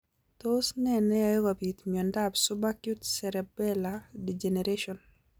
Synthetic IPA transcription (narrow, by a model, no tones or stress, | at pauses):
tosnɛnɛajɡabitmɔndabsubakjutsɛɾɛbɛladid͡ʒeneɾeʃɔn